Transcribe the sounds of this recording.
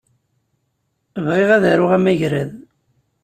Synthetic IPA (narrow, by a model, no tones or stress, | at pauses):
əvʁeʁæðæɾʊʁæmæʝɾæð